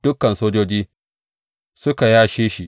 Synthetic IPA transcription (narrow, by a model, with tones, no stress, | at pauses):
d̥ʊ˦kɐ˨nsoː˦d͡ʒoː˦d͡ʒiː˦ | sʊ˦ka˨jaː˦ʃeː˦ʃi˨ʔ